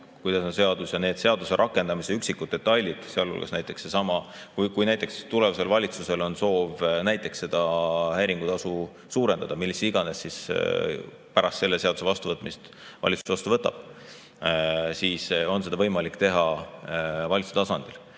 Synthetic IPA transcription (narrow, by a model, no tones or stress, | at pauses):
kujd̪ɑsonse̞ɑd̪̥usjɑne̞ːd̪̥se̞ɑd̪̥use̞ɾʔɑkːˑe̞nd̪ɑmiseyksikːˑud̪̚et̪ːˑɑjlʲid̪̥seɑlːṵlɡ̥esnæjt̪ːˑe̞kse̞sɑmɑkukujnæjt̪ːˑe̞kst̪ule̞vɑse̞lvɑlʲit̪suse̞lo̞nso̞ːvnæjt̪ːˑe̞ksːe̞d̪̥ɑhejɾiŋɡ̥ut̪ɑsu | suːɾe̞nd̪ɑd̪ɑmilːisiɡ̥ɑne̞sːis | pæɾɑst̪se̞lːe̞se̞ɑd̪u̥se̞vɑst̪uvɤt̪ːˑmist̪ | vɑ̰lʲit̪su̥sɑst̪uvɤt̪ːˑɑ̰b̥ | siːso̞nse̞d̪ɑvɤ̞jmɑlikːt̪e̞ɦɑ | vɑlʲit̪su̥set̪ɑsɑnd̪̥il